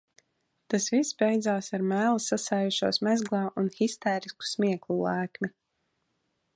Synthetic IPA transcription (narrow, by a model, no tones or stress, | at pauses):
t̪asvisːbɛjd̪zaːsaɾmæːlˠasːasaːjuʃuɔsmɛzɡlˠaːʔunxist̪ɛːɾisku̥smʲiɛklˠulˠaːkmʲi